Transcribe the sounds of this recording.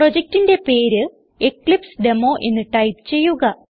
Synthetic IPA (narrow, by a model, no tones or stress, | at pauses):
pro̞d͡ʑek̚ʈinde̞pe̞ːɾɨ | ekɭipsɖe̞mo̞ːʔe̞nːɨʈɐjpɨ̥t͡ɕe̞jːuɣɐ